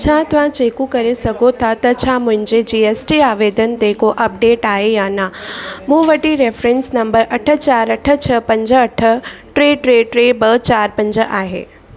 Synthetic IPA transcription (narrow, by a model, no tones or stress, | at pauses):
t͡ɕʰaːt̪ɐʋ̤ãt͡ɕeːkũkɐɾesɐɡʱot̪ʰat̪ɐt͡ɕʰaːmʊ̃ɦɪ̃ɲd͡ʑed͡ʑiːeːsʈiaːʋeːd̪ənt̪eːkoʔɐp̚ɖeːʈaːɦejaːnɐmũːʋɐʈiɾeːfɾẽnsnɐmbəɾʔɐʈʰə̆t͡ɕaːɾɐʈʰə̆t͡ɕʰɐpɐ̃ɲd͡ʑəɐʈʰə̆ʈɾeːʈɾeːʈɾeːbɐt͡ɕaːɾpɐ̃ɲd͡ʑəʔaːɦḛː